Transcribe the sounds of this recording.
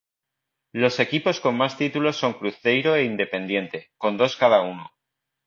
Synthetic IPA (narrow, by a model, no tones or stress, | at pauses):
lo̞se̞kipo̞sko̞nmast̪it̪ulo̞so̞ŋkɾuθe̞jɾo̞e̞ind̪e̞pe̞nd̪je̞nt̪e̞ko̞nd̪o̞skaðauno